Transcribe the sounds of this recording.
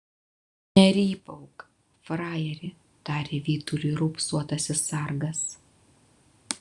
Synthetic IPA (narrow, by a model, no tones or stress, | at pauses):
nʲɛɾʲiːpɐʊk | fɾɑːjɛɾʲɪ | t̪ɑːɾʲeːʋʲiːt̪ʊɾʲuɾʊpsuɔt̪ɐsʲɪsɐˑɾɡɐs